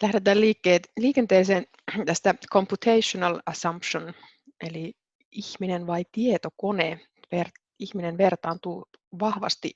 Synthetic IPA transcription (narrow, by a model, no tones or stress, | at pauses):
læhɾet̪æːlliːkːeːt̪liːkent̪eːseːn | t̪æst̪ækʰompjut̪ʰeiʃonɑlɑsɑmpʃon | ʔeli | içminenʋɑit̪iet̪okone | ʋer | içminenʋert̪ɑːnt̪uːʋɑhʋɑ̰st̪ḭ